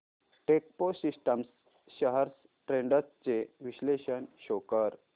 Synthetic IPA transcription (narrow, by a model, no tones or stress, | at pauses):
ʈek̚posisʈəms | ɕəɦəɾs | ʈɾeɳɖət̪t͡ɕeʋiɕleɕənɕokəɾ